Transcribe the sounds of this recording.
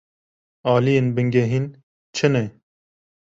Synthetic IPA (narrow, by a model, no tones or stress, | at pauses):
ɑːlijeːnbɨŋɡɛɦiːn | t͡ʃʰɨnɛ